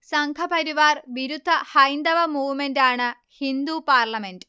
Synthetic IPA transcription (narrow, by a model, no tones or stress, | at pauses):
sɐŋkʰɐpɐɾiʋaːrʋiɾud̪ʱːɐhɐjnd̪ɐʋɐmuːʋmenɖaːɳɨ | hind̪uːpaːrlɐme̞ɳɖ